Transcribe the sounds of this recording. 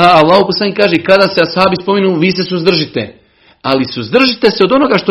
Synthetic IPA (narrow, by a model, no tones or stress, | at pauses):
aalˠːaːhoposlaːnikːaːʒekad̪aːseashaːbispo̞minuːʋiːse̞suzd̪r̩ʒit̪e | alisuzd̪r̩ʒit̪e̞seo̞d̪o̞no̞ɡaʃt̪o